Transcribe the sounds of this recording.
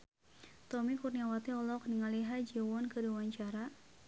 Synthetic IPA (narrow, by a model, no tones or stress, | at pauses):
t̪ɔmikurniawat̪iɔlɔkniŋaliɦad͡ʒiwɔnkədiwaɲt͡ʃaɾa